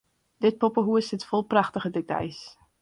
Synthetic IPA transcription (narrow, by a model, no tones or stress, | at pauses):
d̥ɪt̚popəɦuəsətfolˠpraχtəχədɪk̚dɛ̰js